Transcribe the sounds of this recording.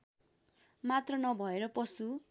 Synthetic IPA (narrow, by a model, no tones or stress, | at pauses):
mat̪rʌnʌbʱʌeɾʌpʌsu